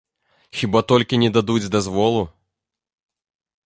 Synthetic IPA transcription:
xʲibat̪ɔlʲkʲinʲɛd̪ad̪ud͡zʲd̪azvɔlˠu

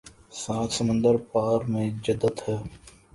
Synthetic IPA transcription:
saːt̪ʰsəmə̃nd̪əɾpaːɾmẽːd͡ʒəd̪ːət̪hɛː

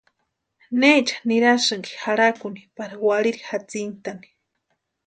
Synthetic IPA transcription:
net͡ʃḁniɾasɨŋki̥xaɾakʊnipaɾawaliɾixat͡sint̪ani̥

